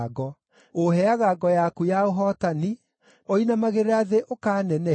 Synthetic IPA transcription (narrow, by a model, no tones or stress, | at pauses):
ɡɔ | oɦɛaɣaɡɔjakujaoɦɔtani | ɔinamaɣeɾeaðeʔokaːnɛnɛ